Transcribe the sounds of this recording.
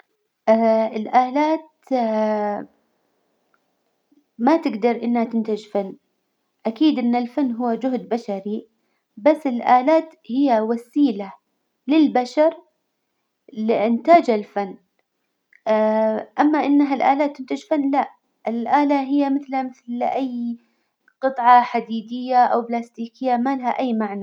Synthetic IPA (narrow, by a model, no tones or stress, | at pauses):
ʔaɪlʔaːlaːt̪ | mat̪ɪɡd̪ɑɾˤʔɪnːhat̪ɪnt̪ad͡ʒfanː | ʔakiːd̪ʔɪnːalfanːɦʊwːad͡ʒʊɦd̪baʃaɾi | basːɪlʔaːlaːt̪hɪjːawasiːla | lɪlbaʃɑɾˤ | lɪʔɪnt̪aːd͡ʒalfanː | ʔamːaʔɪnːɦalʔa̰ːlaːt̪ːɪnt̪ɪd͡ʒfanːlaʔ | ʔɪlʔaːlaɦɪjːamɪθlhamɪθlʔajː | qɨt̪ˤʕɑħad̪iːd̪ɪjːaʔawblaːst̪iːkɪjːamalahaʔajːmaʕna